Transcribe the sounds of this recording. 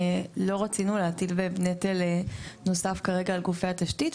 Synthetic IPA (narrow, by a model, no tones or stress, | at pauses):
lo̞ʁat͡sinuleat̪ilvevnet̪eleno̞safkaʁe̞ɡaːlɡufeat̪aʃtit